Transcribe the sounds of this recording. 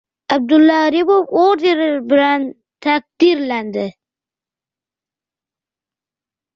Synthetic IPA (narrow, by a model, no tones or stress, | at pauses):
ab̚d̪ʊlːɑɾibopoɾeɾɪɾbɪɾan | t̪ʰak̚d̪iɾland̪ɪ